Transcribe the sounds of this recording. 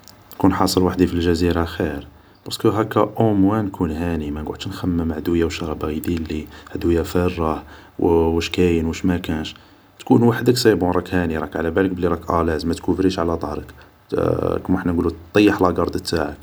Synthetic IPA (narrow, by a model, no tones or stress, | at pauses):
nkunħɑsˤəlwaħd̪ifilʒæziɾaxiɾ | b̥ɑɾskəɦækːæʔomwænkʰunhænimænɡʊʕd̪ʃnxæmːəmʕd̪ujːawʃɑɾˤɑbæɣid̪ilːihd̪ujːæfərˤːɑ | wwəʃkæjənwəʃmækænʃ | t̪kunwaħəd̪əksæjbuɾˤɑkhæniɾˤɑkʕalæbælək̚bəlːiɾˤɑkʔælæzmæt̪kufɾiʃʕalæd̪ˤɑhɾˤək | kmħnænɡulut̪ˤːɑjːəħlɑɡɑɾˤd̪ət̪ːaʕək